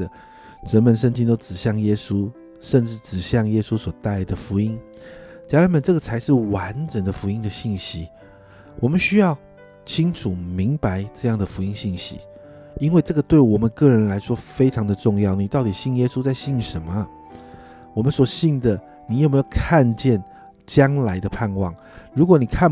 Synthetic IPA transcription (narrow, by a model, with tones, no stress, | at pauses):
ə˨ | ʈ͡ʂə˧˥nmə˧nʂə˥˧ŋt͡ɕi˥ŋt̪o˥ʊʈ͡ʂɻ̩˨˩ɕjɑ˥˩ŋjɛ˥su˥ | ʂə˥˧nʈ͡ʂɻ̩˥˩ʈ͡ʂɻ̩˨˩ɕjɑ˥˧ŋjɛ˥su˥swɔ˨˩t̪a˥˩ɪd̪ə˩fu˧˥i˥n | t͡ɕja˥ɻa˧˥nmə˨nʈ͡ʂɤ˥˩ɡə˩t͡sʰa˧˥ɪʂɻ̩˥˩wa˧˥nʈ͡ʂə˨˩ŋd̪ə˦fu˧˥i˥ŋd̪ə˨ɕi˥˩nɕi˥ | wʔɔ˨˩mə˦nɕy˥jɑ˥˩ʊ | t͡ɕʰi˥ŋʈ͡ʂʰu˨˩mi˧˥ŋpa˧˥ɪʈ͡ʂɤ˥˧jɑ˥˩ŋd̪ə˩fu˧˥i˦˥ŋɕi˥˩nɕḭ˥ | i˥nwe˥˧ɪʈ͡ʂɤ˥˩ɡə˩t̪we˥˩ɪwɔ˨˩mə˦nkɤ˥˩ɻə˧˥nla˧˥ɪʂwɔ˥fe˥ɪʈ͡ʂʰɑ˧˥ŋd̪ə˨ʈ͡ʂʊ˥˧ŋjɑ˥˩ʊni˨˩t̪ɑ˥˩ʊt̪i˨˩ɕi˥˩njɛ˥su˥t͡sa˥˧ɪɕi˥˩nʂə˧˥˦nmə˧ | wɔ˨˩mə˦nswɔ˨˩ɕi˥˩ŋd̪ə˨ | ni˨˩jo˨˩ʊme˧˥jo˨˩ʊkʰa˥˧nt͡ɕjɛ˥˩n | t͡ɕjɑ˥ŋla˧˥ɪd̪ə˧pʰa˥˧nwɑ˥˩ŋ | ɻu˧˥kwɔ˧˥˦ni˨˩kʰa˥˧